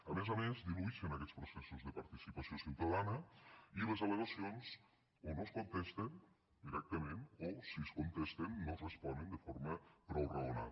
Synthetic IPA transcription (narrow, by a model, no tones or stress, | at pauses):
əmezamezd̪iluiʃenɐkɛt͡sspɾusɛsuzðəpaɾt̪isipasiosiwt̪að̞anəilezaleɣasionz | onoskunt̪ɛst̪en | d̪iɾɛk̚t̪əmẽnosiskont̪est̪enːozrespɔnənd̪əfoɾməpɾɔwrauna̰